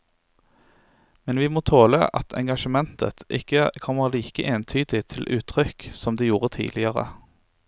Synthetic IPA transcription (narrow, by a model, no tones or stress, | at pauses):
mɛnʋiːmoːt̪ʰoːlə̰ʔɑ̰t̪ʰɛ̰ŋɡɑʃəmɛnt̪ʰə̰t̪ʔɪ̰kəkʰɔməʁliːkəʔeːnt̪ʰyːd̪ɪt̪ʰɪlʔʉːt̪ʰʁʏksɔmd̪eːjuːʁət̪ʰḭːd̪lɪəʁə̰